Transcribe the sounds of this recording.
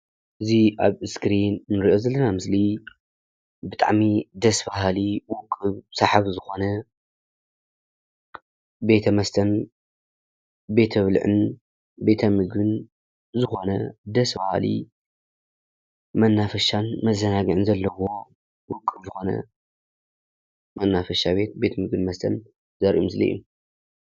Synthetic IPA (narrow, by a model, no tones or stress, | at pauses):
ʔɨziʔaβɨskɾinnɨɾiʔo̞zɐlːɐnamɨsli | bɨt̪ʼa̰ʕmid̪ɐsbahaliwʊkʼːɨβsaħaβzɨxo̞nɐ | be̞t̪ʰɐmɐst̪ʰɐn | be̞t̪ʰɐβlʕɨ̰n | be̞t̪ʰɐmɨɡɨn | zɨxo̞nɐ̰d̪ɐsbaha̰lḭ | mɐnːafɐʃanmɐzːɐnaɡɨʕɨnzɐlːɐwo̞ | wʊkʼːɨβzɨxo̞nɐ̰ | mɐnːafɐʃaβe̞t̪̚be̞t̪ʰɐmɨɡɨnmɐst̪ʰɐ̰n | zɐɾʔumɨslɐ̰ʔṵ